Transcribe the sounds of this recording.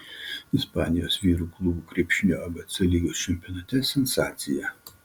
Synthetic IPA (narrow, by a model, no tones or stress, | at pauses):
ɪspɑːnʲɪjoːsʋʲiːɾuːklˠʊbuːkɾʲiːpʲʃʲɪnʲoːɐbɐt̪sʲɐlʲiɡʲoːst͡ʃʲɛmʲpʲɔːnɐt̪ʲɛsʲɛnsɑ̰ːt̪sʲɪjɛ